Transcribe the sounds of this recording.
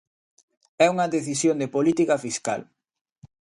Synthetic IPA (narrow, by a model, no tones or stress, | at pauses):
ɛuŋɐðeθisjond̪epolit̪ikɐfiska̰l